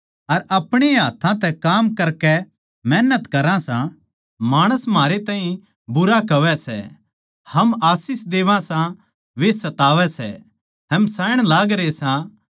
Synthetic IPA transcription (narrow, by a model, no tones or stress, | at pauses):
ɐɾɐpɽ̃eɦaːt̪ʰãt̪̬ɛkaːmkɐɾkɛ | mɛːnət̪kɐɾãsã | maːɽ̃əsmaːɾet̪ãːɦĩ | bʊɾakɐʋɛsɛ̰ | hɐmaːsɪs̬d̪eːʋãsã | ʋesɐt̪aːʋɛsɛ̰ | ɦɐmsaːjɽ̃laːɡɾesã